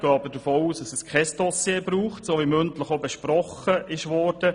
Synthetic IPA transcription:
ɡ̥ɑːbədəfoːuːsdɑsɛskʰɛsd̥ɔsjebɾuːχtsoːʋimɵntləχobɛʃpɾɔχəʔɪʃʋɔːɾd̥ə

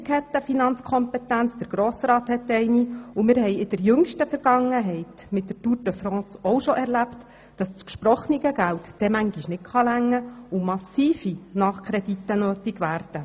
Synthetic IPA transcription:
kʰhɛt̪ːəfinɑnt͡skʰɔmpɛtænt͡sd̥̪əɾɡ̥ɾoːsɾɑːthɛtːɛɪniʊmɪːɾhɛɪɪd̥əɾjʏŋʃtəfəɾɡ̥ɑŋːəɦɛɪtmɪt̚d̥ətuːɾdəfɾɑ̃ːsɔwʃɔʔɛɾlæpt | d̥ɑst͡skʃpɾɔχniɡəɡæltd̥ɛmæŋɡiʃnɪt̚χɑlæŋːəʊmɑsiːfinɑχkʰɾɛditːənøːtiɡʋæːɾd̥ə

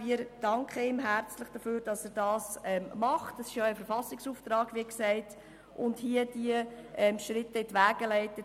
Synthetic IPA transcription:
viəɾd̥ɑŋkχəɪmɦæɾt͡sləχd̥əføːɾd̥ɑsæːɾdɑːsɛmmɑχtɛsɪʃjoɛfəɾfɑsɪksuːft̪ɾɑːɡʋiɪksɛɪt | ʔʊndhiəd̥iəʔɛmʃɾɪtːəɪtʋæːɡ̥əlɛɪtə

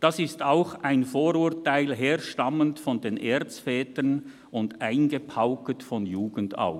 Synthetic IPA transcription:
d̥ɑsɪstaʊxʔaɪnfoːɾuːɾtaɪlɦeːɐʃtɑməntfɔndeːnʔeːt͡sfɛːtən | ʊndʔaɪnɡəpʰaʊkətfɔnjuːɡ̥ən̩da̰ʊ

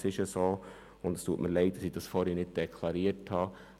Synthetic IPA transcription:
sɪʃəsoː | ʊnd̥ɑstuːətməɾlɛɪdəɾsidɑsfɔːɾhɛnɪt̚d̥ɛkʰlɑɾiəɾthɑː

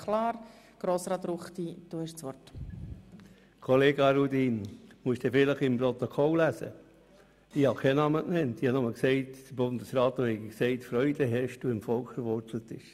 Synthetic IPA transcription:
kʰlɑːɾ | ɡ̥ɾoːsɾɑt̪ɾuχt̪id̥uːhɛʃt͡sʋɔrt | kʰoleːɡɑɾudinmuəsd̥efɪləχɪmpɾot̪okʰɔllæsə̰ | ihɑkʰɛnɑməknɛntihɑnʊməlksɛɪtd̥əɾbʊnd̪əsɾɑːt̪ohɛɡiksɛɪtfɾœʏd̥əɦɛʃd̥uɪmfɔlkfəɾʋɔɾtlətbɪʃ

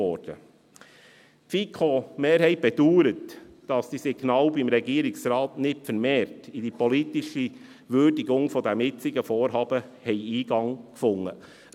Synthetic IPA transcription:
ɔɾd̥ə̰ | fikʰomeːɾɦɛɪb̥ɛd̥uːɾət | d̥ɑsd̥isiɡnɑːlbimɾɛɡiːəɾɪksɾɑːtnɪtfəɾmeːɾtid̥ipɔlitiʃi | ʋøɾdiɡʊŋfɔd̪æmjɪt͡sɪɡəfɔːɾɦɑːb̥əhɛɪiːɡ̥ɑŋkfʊŋːə

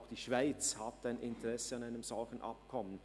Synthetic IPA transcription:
xd̥iːʃv̥aɪt͡shat̚taɪnʔɪntəʁɛsəɑnaɪnəmz̥ɔlçən̩ʔɑ̰pkʰɔmən

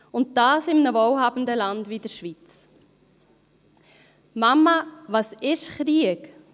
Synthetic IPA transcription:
ʊnt̚d̥ɑːsɪmnəvowhɑːbn̩dəlɑndvid̥əɾʃʋit͡s | mɑmːɑvɑsɪʃχɾiək

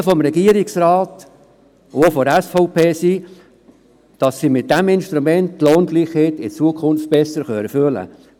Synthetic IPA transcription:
fɔmɾɛɡiəɾɪksɾɑːt | ofɔdɛsfɔʊpʰeːsi | d̥ɑsːimɪt̚d̥ɛmɪnʃtɾumɛnttloːnɡliːχheːt̪ɪt͡suəkʰʊnft̚b̥ɛsəɾχœɛføələ̰

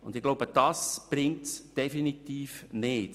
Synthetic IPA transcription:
ʊnd̪ɪɡ̥lowbəd̥ɑsb̥rɪŋtsd̥ɛfinit̪iːfnɪːt

